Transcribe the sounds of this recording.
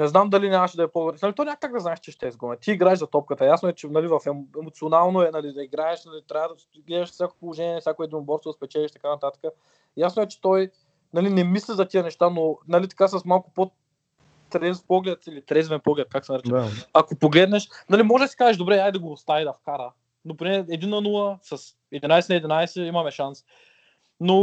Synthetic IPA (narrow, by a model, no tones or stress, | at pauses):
nɛznamd̪ɐlinʲaməʃd̪ɐɛpɔd̪obɾɛnalit̪ɔnʲak̪aɡ̚d̪ɐznaɛʃt͡ʃɛʃt̪ɛzɡɔmnɛt̪iːɡɾaɛʒzɐt̪ɔp̚kət̪əjasnoʊɛt͡ʃɛnɐlivɐfɛmɛmot̪sionalˠnoɛnɐlid̪ɐiɡɾaɛʃnɐlit̪ɾʲavd̪ɐ | ɡlɛd̪ɛʃsʲakopolˠoʒɛniɛnɐfsʲakoɛd̪inʊbɔɾst̪vspɛt͡ʃɛliʃt̪ɐkanɐt̪at̪ə̥kə | jasnoɛt͡ʃɛ̥t̪ɔj | nɐlinɛmislʲizɐt̪iənɛʃt̪anonɐlit̪ɐ̥kasɐsmalˠkʊ̥po | t̪ɾɛspɔɡlɛt̪ilit̪ɾɛzvɛnpɔɡlɛt̪̚kaksɛnɐɾɛt͡ʃɛakopoɡlɛd̪nɛʃnɐlimɔʒɛd̪ɐsi̥kazɛʃd̪obɾɛajd̪ɐɡost̪avid̪ɐfkaɾə | nopɾinɛɛd̪inɐnulˠɐsɐs | ɛd̪inajsɛnɐɛd̪inajsɛimɐmɛʃans | no